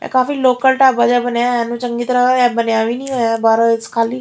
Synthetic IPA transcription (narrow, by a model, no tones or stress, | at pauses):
a̰kaːfiːloːkəlʈaːbad͡ʒaːbənjajãːnũːt͡ʃə̃ŋɡiːt̪əɾəabənjaːʋiːnĩːɦojabaːɾəɪskʰaːliː